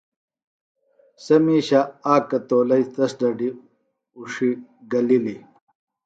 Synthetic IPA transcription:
sɐmiːɕaaːkɐt̪oːlɐjt̪ɐsɖɐɖi | uʂiɡɐlili

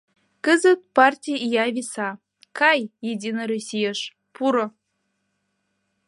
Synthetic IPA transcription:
kəzə̆t̪̚pɑrtʲijijɑvʲisɑ | kɑjjedʲinəɾusʲijəʃ | puɾŏ

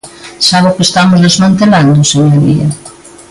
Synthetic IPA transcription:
saβʊkest̪amʊzðezmant̪eland̪ʊseɲoɾḭɐ̰

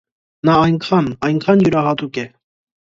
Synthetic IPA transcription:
nɑːjŋkʰɑnɑjŋkʰɑnjuɾɑɦɑt̪ukɛ

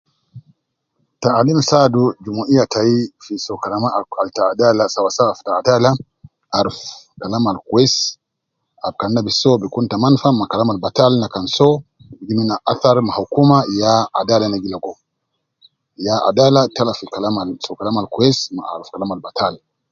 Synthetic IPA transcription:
taʔːlimsadud͡ʒumuʔijataifisɔkalamaaltaːdalasawasawaftaadala | ʔaɾuf | kalamalkuwɛs | ab̚kannabisɔbikuntamanfamakalamalbatalnakansɔ | iɡiminaʔaθaɾmahakumajaʔa̰dalanaɡilaɡɔ | jaa̰dalatalafikalamalsɔkalamalkuɛsma̰ʔa̰ɾufkalamalbatal

